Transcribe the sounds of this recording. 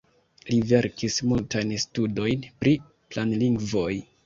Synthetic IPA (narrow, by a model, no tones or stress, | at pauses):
live̞ɾkismultajnstudo̞jnpɾi | planliŋɡvo̞j